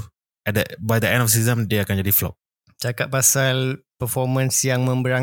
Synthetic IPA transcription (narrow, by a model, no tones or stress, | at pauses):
ɛt̚dəbajdəɛ̃ndɔfs̬izə̃mdeakand͡ʒadiflɔ̰p̚ | t͡ʃakat̪̚pasalpəfɔmə̃nsjaŋmə̃mbəɾa